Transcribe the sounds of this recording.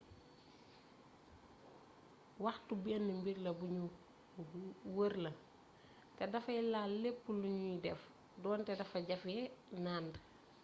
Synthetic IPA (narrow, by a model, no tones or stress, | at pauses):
wɐxtubiɐnːimbiɾlɐbuɲu | wəɾlɐ | tɛdɐfɐilalepːuluɲudɛf | dɔːntɛdɐfɐɟɐfjɛnaːndɐ